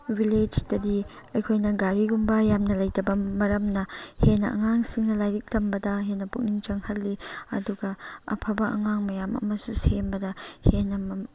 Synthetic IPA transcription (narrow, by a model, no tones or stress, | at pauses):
wiled͡ʒdɐdi | ɐjkʰojnɐɡaɾiɡumbɐjamnɐlɐjdɐbɐmɐɾɐmnɐhenɐʔɐ̰ŋaŋsiŋnɐlajɾik̚tɐmbɐdɐɦenːɐpuk̚niŋt͡ʃɐŋhɐlːiɐ̰duɡɐɐ̰pʰɐbɐʔɐ̰ŋaŋmɐjamɐ̰mɐsusembɐdɐhenɐm